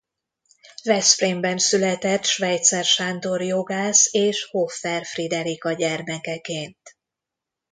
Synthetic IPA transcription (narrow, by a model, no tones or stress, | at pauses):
vɛsfrimbɛnsylɛt̪ɛt̪ʃʋɛjt̪sɛrʃand̪o̞rjoɡaːseːʃhofːɛrfrid̪ɛɾikɒɟɛrmɛkɛkeːnt̪